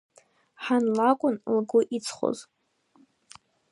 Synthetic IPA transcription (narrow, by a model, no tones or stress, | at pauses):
ħanlakʷʼʊnlɡʷʊʔit͡sʰχo̰z